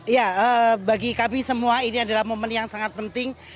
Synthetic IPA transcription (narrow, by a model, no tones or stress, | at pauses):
ijaəbaɡikabisəmuainiadalahmomənjaŋsaŋat̪̚pənt̪ɪŋ